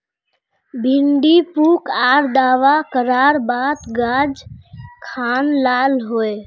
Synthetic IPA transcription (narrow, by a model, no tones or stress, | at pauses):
bʱiɳɖipukaɾd̪aʋakəɾaɾbad̪ɡad͡ʒkʰanlalɦoe